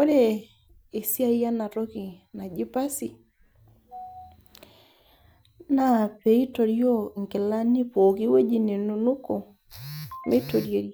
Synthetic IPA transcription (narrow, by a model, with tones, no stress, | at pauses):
o˦ɾe˦˨ | e˨sja˦ja˦na˨ɾo˦ki˨na˨d͡ʒi˦pa˦si˨ | na˦˨pe˨i˦to˨ɾjo˦˨ŋkɪ˨la˦ni˦po˨ki˦we˦d͡ʒi˨ne˨nu˨nu˦ko˨ | me˦to˨ɾje˨ɾj